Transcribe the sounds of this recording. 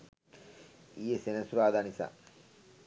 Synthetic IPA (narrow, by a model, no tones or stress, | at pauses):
ijesenɐsuɾaːd̪aːnisa̰